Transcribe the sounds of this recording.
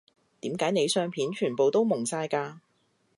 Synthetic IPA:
t̪iː˨˥mkaː˨˥jne˨˧jsœː˧ŋpʰiː˨˥nt͡ʃʰyː˨˩npo˨wt̪o˥wmʊ˨˩ŋsaː˧jkaː˧

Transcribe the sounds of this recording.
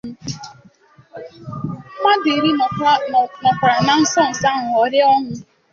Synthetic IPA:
ma˦dɪ˨ɾi˦˨nɔ˨kʷɾa˨na˨n̩˦sɔ˦n̩˨sa˦ŋʊ˨ɔ˨ɾɪ˦ɔ˦ŋʊ˦

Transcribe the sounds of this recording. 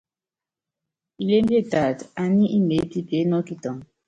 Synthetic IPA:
i˨le˦m˦bi˦e˦˨ta˨ta˨nĩ˦ʔi˦mbe˨˦pi˦pe˨˦nɔ˦ki˦tɔ˨ŋ

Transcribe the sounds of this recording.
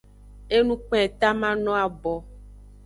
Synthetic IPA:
e˦nũ˦k͡pɛ̃˦˨t̪a˦mã˦nɔ̃˦a˨bɔ˨

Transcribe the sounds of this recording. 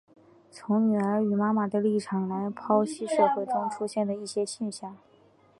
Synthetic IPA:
t͡sʰʊ˧˥ŋny˨˩ə˞˧˥y˨˩ma˥ma˨˩d̪a˥˧li˥˩ʈ͡ʂʰɑ˨˩ŋla˧˥ɪpʰɑ˥ʊɕi˥ʂɤ˥˧xwe˥˩ɪʈ͡ʂ̪ʰʊ˥ŋʈ͡ʂʰu˥ɕjɛ˥˩nd̪ə˩i˥˩ɕjɛ˥ɕjɛ˥˧nɕjɑ˥˩ŋ

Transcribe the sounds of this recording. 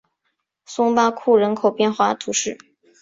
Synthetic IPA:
sʊ˥ŋpa˥kʰu˥˩ɻə˧˥nkʰo˨˩ʊpjɛ˥˧nxwa˥˩t̪ʰu˧˥ʂɻ̩˥˩

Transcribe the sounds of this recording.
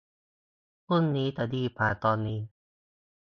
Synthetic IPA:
pu˥˩˨nːiː˦˥t̪ɛ˨˩diː˧˩pʰaː˨˩t̪ɔː˧nːiː˦˥

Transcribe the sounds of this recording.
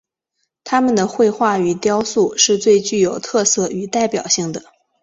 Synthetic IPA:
t̪ʰa˥mə˨nd̪ə˩xwe˥˧ɪxwa˥˩y˨˩t̪jɑ˥ʊsu˥˩ʂɻ̩˥˧t͡swe˥˧ɪt͡ɕy˥˩jo˨˩ʊt̪ʰɤ˥˧sɤ˥˩y˨˩t̪a˥˩ɪpjɑ˨˩ʊɕi˥˩ŋd̪ə˩

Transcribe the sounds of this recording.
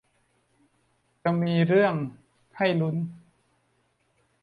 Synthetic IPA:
t͡ɕa˨˧miː˧ɾɯ˥˩əŋ | kʰa˥˩jlu˦˥n

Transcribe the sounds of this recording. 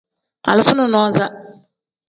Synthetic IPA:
a̰˨lɪ˨fʊ˦nʊ̃˨nɔ˦za˦

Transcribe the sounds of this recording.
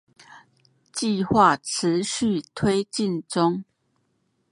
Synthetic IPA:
t͡ɕi˥˧xwa˥˨ʈ͡ʂ̩ʰ˨˦ɕy˥˨t̪ʰwe˦ɪt͡ɕi˥˨nʈ͡ʂʊ˦ŋ

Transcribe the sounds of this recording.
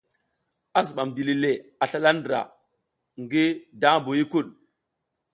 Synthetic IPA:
a˦zu˨ɓa˨mdi˨li˨le˨a˨ɬa˦la˦ndɾa̰˨ | ŋɡi˦da˦mbo˨ji˦ku˦˨ɗ

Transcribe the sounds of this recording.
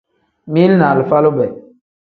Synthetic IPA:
mi˦lna˨lfa˦lo˦bɛ˨

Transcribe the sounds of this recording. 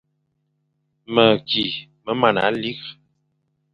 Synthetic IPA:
mə˨kʰi˨ | mə˨˦ma˨na̰˨˦li˦k

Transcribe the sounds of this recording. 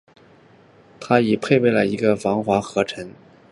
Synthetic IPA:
t̪ʰa˥i˨˩pʰe˥˧ɪpe˥˩ɪlə˩i˧˥ɡə˧fɑ˧˥ŋxwa˧˥xɤ˧˥ʈ͡ʂʰə˧˥ŋ

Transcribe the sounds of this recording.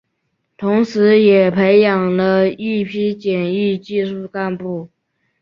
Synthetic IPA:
t̪ʰʊ˧˥ŋʂɻ̩˧˥jɛ˨˩pʰe˧˥ɪjɑ˨˩ŋlə˦i˥˩pʰi˥t͡ɕjɛ˨˩ni˥˧t͡ɕi˥˧ʂu˥˧ka˥˧npu˥˩

